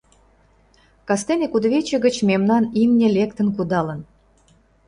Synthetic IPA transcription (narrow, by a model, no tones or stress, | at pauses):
kɑst̪enʲekud̪βʲet͡ɕə̆ɣə̆t͡ɕmemnɑnimnʲĕlʲek̚t̪ə̆nk̬ud̪ɑlən